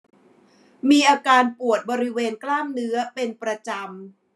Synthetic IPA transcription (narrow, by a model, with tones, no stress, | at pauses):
miː˧ʔaː˧kaː˧npu˨˩ət̪̚bɔː˧ɾi˦˥weː˧nklaː˥˩mnɯ˦˥ɐpe˧npɾa˧t͡ɕa˧m